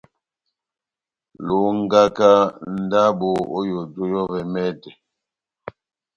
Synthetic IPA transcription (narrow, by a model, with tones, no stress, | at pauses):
lo˨˦ŋ̩˦ɡa˦ka˦n̩˦da˦bo˨o˦jo˨do˦jɔ˦vɛ˨mɛ˦dɛ˨